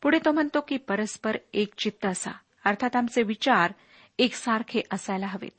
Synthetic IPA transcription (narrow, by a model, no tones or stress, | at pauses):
puɽet̪om̤əɳt̪okiːpəɾəspəɾekt͡ɕit̪ːəəsa̰ | əɾt̪ʰat̪amt͡seʋit͡ɕaɾ | eksaɾkʰeʔəsajlaɦəʋḛt̪̚